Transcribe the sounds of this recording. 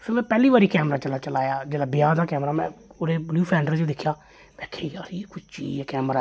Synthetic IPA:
səɾmɛ̃ːpɛːliːʋaːɾiːkɛːmɾaːt͡ʃəlaːt͡ʃəlaːjaːd͡ʒeːɽaːbɪjaːd̪aːkɛːmɾaːmɛ̰̃ːoɾeːbljuːpʰɛ̃ːɳɖəɾt͡ʃed̪ɪkʰːjaː | ʋɛːkʰeːjaːɾiːkʊt͡ʃt͡ʃḭːd͡ʒɛːkɛːmɾaː

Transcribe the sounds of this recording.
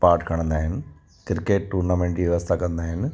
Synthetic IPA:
paːɾʈkʰɐɳ̃ɐnd̪aːjinɨ | kɾkːeːʈʈuːɾnameːɳʈiːʋjʋɐst̪ʰakɐnd̪aːjinɨ

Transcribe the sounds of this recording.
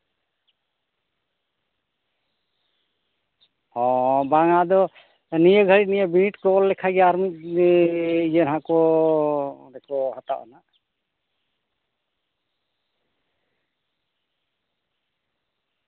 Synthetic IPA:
ɔbaŋad̪ɔ | nijəɡʱəɾit̪̚nijəbiniʈkɔɔlːɛkʰaɡɛaɾmit̪̚ | jənɦakɔ | dɛkɔhat̪a̰ʔɔ̰naʔ

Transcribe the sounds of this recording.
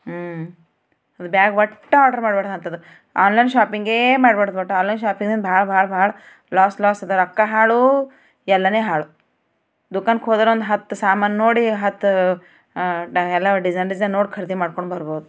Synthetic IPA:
ɐd̪ubjaːɡʋɐʈːɐaːɖɐɾmaːɖbeɽɐd̪ɐnt̪ɐd̪u | aːnlɐjnʃaːpiŋɡeːmaːɽbeɽɐd̪bɐʈːuaːnlɐjnʃaːpiŋɡd̪ind̪bʱaːɭɐbʱaːɭɐbʱaːɭɐ | laːslaːsɐd̪ɐɾɐkːɐɦaːɭu | ɛlːɐneːɦaːɭu | d̪ukaːnkɦod̪ɐɾond̪uɦɐt̪ːsaːmaːnɐnoːɽiɦɐt̪ː | ɛlːaɖid͡ʒɐjnɐd͡ʒnɐnoːɽkʰɐɾɐd̪imaːɽkoɳɖbɐɾboːd̪u

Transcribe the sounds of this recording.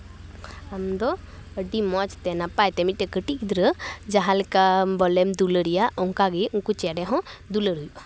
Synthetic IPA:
amd̪ɔ | əɖimɔt͡ʃt̪ɛnapajt̪ɛmiʈəkəʈikd̪ɾəd͡ʒaɦalkabɔlɛmd̪uləɾijaʔɔŋkaɡiuŋkut͡ʃɛɖɛɦɔ̃d̪uləɾujuʔ

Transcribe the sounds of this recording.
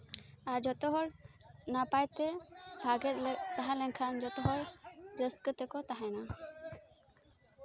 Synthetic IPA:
aɾd͡ʒɔt̪ɔɦɔɾ | napajt̪ɛbʱaɡɛt̪lɛt̪aɦalɛŋkʰand͡ʒɔt̪ɔɦɔɾɾəskət̪ɛkɔt̪aɦajna

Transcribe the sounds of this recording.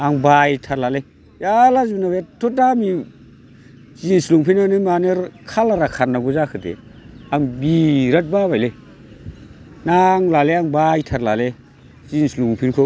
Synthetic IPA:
aŋbajtʰaɾlale | jalazbnawetʰotami | zinsluŋpʰinanimaneɾkʰalaɾakʰanːaɡuzakʰɯtḛaŋbiɾət̚baβajle | naŋlaleaŋbajtʰaɾlale | zinsluŋpʰinkʰo

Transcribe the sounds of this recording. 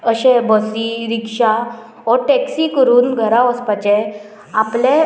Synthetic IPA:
əɕẽbəsiɾikʂa | ɔʈɛksikəɾuːnɡʱəɾãʋəspat͡ɕe | aple

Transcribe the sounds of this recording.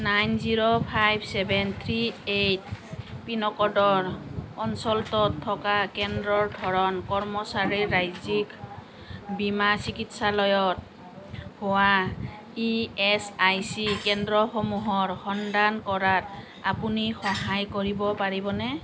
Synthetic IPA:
najnziɹopʰajbsɛbɛnt̪ʰɹiejt̚pinɔkɔdɔɹɔnsɔltɔtʰːɔkakɛndɹɔɹdʱɔɹɔnkɔɹmɔsaɹiɹajzik | bimasikitsalɔjɔt̚ | hʊwa | iɛsajsikɛndɹɔxomuɦɔɹxɔndankɔɹat̚ | apunixɔɦajkoɹibɔpaɹibɔnɛ

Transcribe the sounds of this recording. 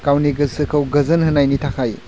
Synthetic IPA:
kawniɡɯsɯkʰɐwɡɐzɯnhɐnajnitʰakʰaj

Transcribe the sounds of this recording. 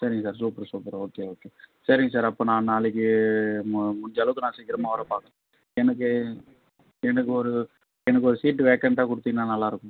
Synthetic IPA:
sɐɾɪŋɡɐsaːɾsuːpɐɾsuːpɐɾoːkeoːkeːsɐɾɪŋɡɐsaːɾɐpːoːnãːnaːɭɪk̬ːɯmmʊɲd͡ʒɐlɐʋɯkːɯnãːsɛːkːɪɾɐmaːʋɐɾɐpaːkɐɾ̃ | ɛnɐk̬ːɯ | ɛnɐkːɯɔɾɯ | ɛnɐk̬ːɯɔɾɯsiːʈːɯʋeːkɐɳʈaːkʊɽɯt̪ːiŋnaːnɐlːaːɪɾɯkːʊ̃

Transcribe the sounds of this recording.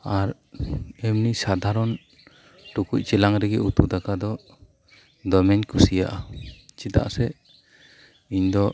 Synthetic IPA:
aɾ | ɛmnisad̪aɾɔn | ʈukuc̚t͡ʃɛlaŋɾɛɡɛʔut̪ud̪akad̪ɔ | d̪ɔmɛɲkusija̰ʔat͡ʃid̪a̰ʔsɛ | iɲd̪ɔ

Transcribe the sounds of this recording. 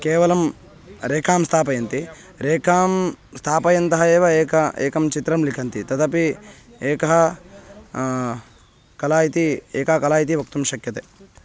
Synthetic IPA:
keːʋɐlɐm | ɾeːkʰaːmst̪ʰaːpɐjɐnt̪i | ɾeːkʰaːmst̪ʰaːpɐjɐnt̪ɐɦɐeːʋɐeːkɐḛːkɐmt͡ʃit̪ɾɐmlikʰɐnt̪it̪ɐt̪ɐpi | eːkɐɦɐ | kɐlaːjit̪ieːkɐɐkɐlaːjit̪iʋɐk̚t̪umʃɐkjɐt̪eː

